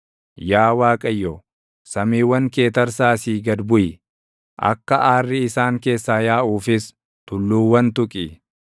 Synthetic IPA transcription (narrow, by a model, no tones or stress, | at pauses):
jaːwaːkʼɐjːɔ | sɐmiːwːɐŋke̞ːt̪ɐɾsaːsiːɡɐd̪bʊjɪ | ʔɐ̰kːɐʔaːrːɪɪsaːŋke̞ːsːaːjaːʔuːfɪs | t̪ʊlːuːwɐnt̪ʊkʼɪ